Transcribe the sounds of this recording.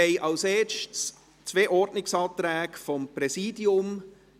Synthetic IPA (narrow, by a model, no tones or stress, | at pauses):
ɛɪʔɑlseːʃts | t͡sveːʔɔɾdnɪksɑːt̪ɾæːɡfɔmpɾɛsiːdiʊm